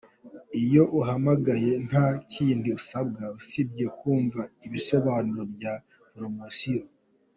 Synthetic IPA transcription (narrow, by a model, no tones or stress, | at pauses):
ijo̞ʔuɦamaɡaje̞n̥haciːndiusab̚ɡausib̚je̞kuːɱvaiβiso̞βanuɾo̞bja | pɾomosio